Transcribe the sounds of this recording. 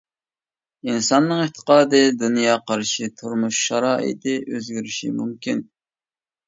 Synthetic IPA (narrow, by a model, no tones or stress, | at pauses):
insɑnːɨŋeht̪ʰə̥qɑːd̪ɨd̪unjɑːqʰɑɾʃit̪ʰuɾmuʃʃɑɾɑːʔɪ̰t̪ʰɪʔøzɡʲyɾyʃḭmumkʲin